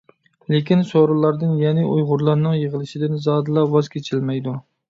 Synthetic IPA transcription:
lekʲinsoɾɨlˠɑɾd̪ɨnjɛnɪʔujʁʊɾlˠɑɾnɨŋjəʁəlˠɨʃɪd̪ɪnzɑd̪ɨlˠɑwɑz̥kʲʰet͡ʃʰɪlmɛjd̪u

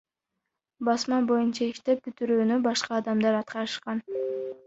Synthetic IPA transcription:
bɑsmɑbo̞junt͡ʃɑiʃt̪e̞p̚byt̪yɾyːnybɑʃqɑːd̪ɑmd̪ɑɾɑt̪̚qɑɾɯʃqɑn

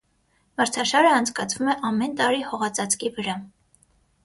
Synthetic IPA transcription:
məɾt͡sʰɑʃɑɾəɑnt͡sʰkɑt͡sʰvumɛʔɑmɛnt̪ɑɾihɔʁɑt͡sɑt͡skivəɾɑ

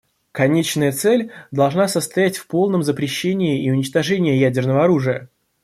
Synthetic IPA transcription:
kɐnʲet͡ɕnəjət̪sɛlʲd̪ɐlˠʐnasəst̪ɐjætʲfpo̞lˠnəmzəpɾʲɪɕːenʲɪɪiʊnʲɪt͡ɕt̪ɐʐɛnʲɪjəjædʲɪrnəvəɐɾuʐɨjə

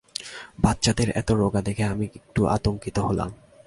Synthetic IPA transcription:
batːɕad̪eɾɛ̰t̪oɾoɡad̪ekʰeamiek̚ʈuʔa̰t̪oŋkit̪oɦola̰m

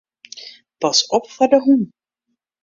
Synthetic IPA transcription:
pɑsɔpfɔdəɦun

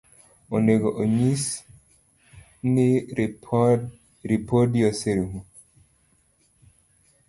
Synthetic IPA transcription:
oneɡoʔoɲis | ni | ɾipodijoseɾuŋu

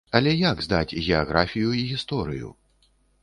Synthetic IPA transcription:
ɐlʲɛjaɡzd̪a̰t͡sʲɣʲɛaɣɾafʲijuiɣʲist̪ɔɾɨjṵ

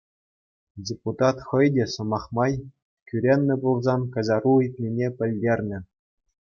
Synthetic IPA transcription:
dʲeput̪ɑt̪χɤ̆jdʲĕsɤ̆mɑχmɑj | kʲyɾʲenʲːɘ̆bulˠzɑnkɑ̆zɑruit̪̚ʲnʲinʲepʲɘ̆lʲdʲerʲnʲɘ̆

